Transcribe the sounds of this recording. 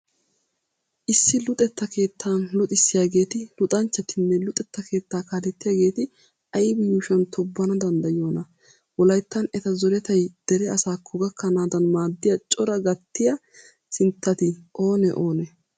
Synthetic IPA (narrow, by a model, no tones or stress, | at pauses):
ʔɪsːɪlʊt̪ʼɛt̪ːɐke̞ːt̪ʰːaːnlʊt̪ʼɪsːɪjaːɡe̞ːt̪ɪlʊt̪ʼɐnt͡ʃːɐt̪ʰɪnːɛlʊt̪ʼɛt̪ːɐke̞ːt̪ːaːkaːlɛt̪ːɪjaːɡe̞ːt̪ɪ | ʔɐjɪbjuːʃɐnt̪ʰɔbːɐnɐd̪ɐnd̪ɐjoːnɐ | wɔlɐjt̪ːɐnɛt̪ɐzɔɾɛt̪ɐjd̪̥ɛɾɛɐsaːkʰːɔɡɐkʰːɐnaːd̪ɐnmaːd̪ːɪjɐt͡ʃʼɔɾɐɡɐt̪ːɪjɐ | sɪnt̪ːɐt̪ɪʔo̞ːnɛʔo̞ːnɛ